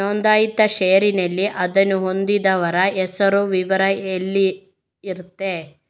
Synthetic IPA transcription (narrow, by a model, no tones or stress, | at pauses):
ond̪aːjid̪ːɐʃɛjɐɾinɐlːiʔɐd̪ɐnːuɦo̞nd̪id̪ɐʋɐɾɐʔɛsɐɾuʋiʋɐɾɐelːi | iɾut̪ːe